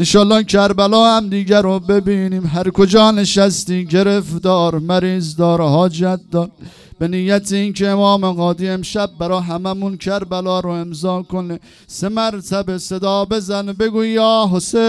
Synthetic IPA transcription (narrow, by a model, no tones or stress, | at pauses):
enʃɒːlːɑːhkʰæɾbælɒːhæmd̪iːɡæɾobe̞biːniːmɦæɾkʰod͡ʒɒːneʃæst̪iːɟeɾefd̪ɒːɾmæɾiːzd̪ɒːɾhɒːd͡ʒæt̪̚d̪ɒːɾ | b̥enijæt̪ʰeinkʰeːmɒːmeɣɒːd̪iːemʃæb̚ːæɾɒːɦæmæmunkʰæɾbælɒːɾoemzɑːkʰone | semæɾt̪ʰæbese̞d̪ɒːbe̞zænbe̞ɡuːjɒːɦose